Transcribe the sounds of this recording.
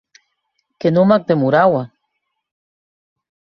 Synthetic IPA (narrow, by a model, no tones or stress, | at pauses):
kenumak̚d̪emuɾawa